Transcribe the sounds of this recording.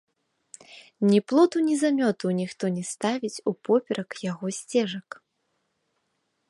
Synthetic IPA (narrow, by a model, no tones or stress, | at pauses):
nʲiplˠɔt̪unʲizamʲɔt̪unʲixt̪ɔnʲɛst̪avʲit͡sʲupɔpʲɛɾɐkjaɣɔsʲt͡sʲɛʐɐk